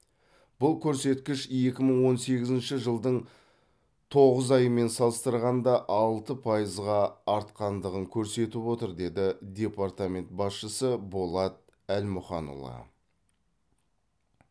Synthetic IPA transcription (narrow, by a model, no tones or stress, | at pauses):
b̥ʊlˠkʲʰɵɾse̞t̪kʲɪʃje̞kʲɪməɴwo̞nse̞ɡʲɪzɪnʃɪʒəlˠd̪əɴ | t̪ʰo̞ʁəzɑjəme̞nsɑlˠəst̪əɾʁɑnd̪ɑʔɑlˠt̪əpʰɑjəzʁɑːɾt̪qɑnd̪əʁəŋkʲʰɵɾse̞t̪ɪpwo̞t̪əɾd̪e̞d̪ɪd̪ʲe̞paɾt̪amʲe̞nt̪̚bɑsʃəsəbo̞lˠɑt̪̚ | ælmʊχɑ̰nṵlˠɑ̰